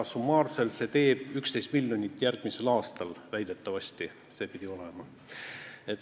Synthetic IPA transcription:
sumːɑːrse̞lt̪se̞ːt̪e̞ːb̥ykst̪e̞jst̪̚milʲːjonʲit̪ːˑjærɡ̥mise̞lɑːst̪ɑlvæjd̪̥e̞t̪ːˑɑvɑst̪i | se̞ːpid̪̥ʲio̞lemɑ | et̪ː

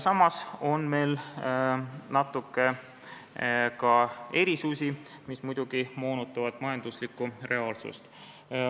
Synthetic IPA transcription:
sɑmːɑso̞nme̞jl | nɑt̪ːˑukːˑe | kɑe̞ɾisusʲi | mismujd̪̥uɡ̥imo̞ːnut̪ːˑɑvɑd̪̥mɑjɑnd̪uslikːure̞ɑːlsṵst̪

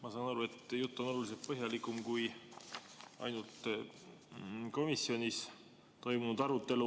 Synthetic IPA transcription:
mɑsɑːnɑɾue̞t̪ːjut̪ːˑo̞no̞luliselt̪̚pɤɦjɑlikˑːumkuj | ɑ̰jnult̪ | ko̞misːjo̞nʲis | t̪o̞jmunud̪ɑɾut̪ːˑe̞lu

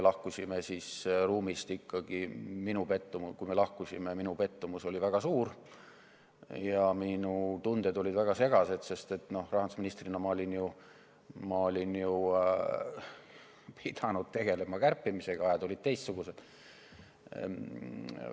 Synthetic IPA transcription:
melɑhkusʲimesisruːmist̪ikʰːɑɡ̥iminupe̞t̪ːumukujme̞lɑhkusimeminupe̞t̪ːumuso̞lʲivæɡ̥ɑsuːr | jɑminut̪und̪̥ed̪olʲid̪̥væɡ̥ɑse̞ɡɑse̞d̪̥se̞st̪e̞t̪ːˑno̞hrɑɦhɑnd̪usminist̪rinɑmɑo̞lʲinju | mɑo̞lʲinju | pʰid̪ɑnud̪̥̚t̪e̞ɡ̥e̞le̞mɑkærpːimise̞ɡ̥ɑɑjɑt̪olʲid̪̚t̪e̞jst̪suɡ̥use̞d̪̥

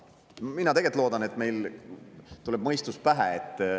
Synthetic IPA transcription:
minɑt̪e̞ɡelt̪loːd̪̥ɑne̞t̪ːˑme̞jl | t̪uleb̥̚mɤjst̪uspæɦæet̪ːˑ

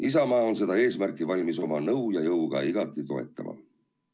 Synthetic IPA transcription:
is̬ɑmɑːo̞ns̬e̞d̪̥ɑe̞ːsmærkːˑivɑlʲmiso̞mɑnɤwjɑjɤwɡ̥ɑ̰iɡ̥ɑt̪ːˑit̪o̞e̞̰t̪ˑːɑ̰mʔɑ̰

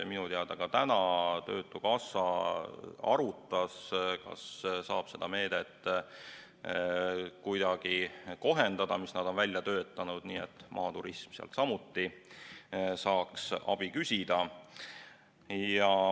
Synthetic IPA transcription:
minut̪eɑd̪̥ɑkɑt̪ænɑt̪ø̞̰ːt̪ːˑukɑsɑ | ɑ̰ɾut̪ˑːɑskɑ̰ssɑːb̥se̞d̪̥ɑme̞ːd̪̥et̪ː | kujd̪̥ɑɡ̥iko̞ɦend̪̥ɑd̪̥ɑmisnɑd̪̥o̞nvælʲjɑt̪ø̞ːt̪ˑːɑnud̪̥niːet̪ːˑmʔɑ̰ːt̪uɾismseɑ̰lt̪sɑmut̪ːi | sɑːksɑ̰b̥ikysʲid̪̥ɑ | jjɑ

